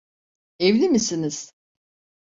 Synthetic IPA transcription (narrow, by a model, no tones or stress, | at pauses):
evlʲimisiniz̥